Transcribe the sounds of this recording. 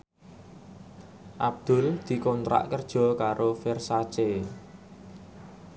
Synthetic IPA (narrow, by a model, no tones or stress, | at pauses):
ʔab̚d̪̥ʊ̤ld̪̥i̤kɔnt̪ɾa̰ʔkərd̥ʒ̥ɔ̤kaɾʔofersat͡ʃe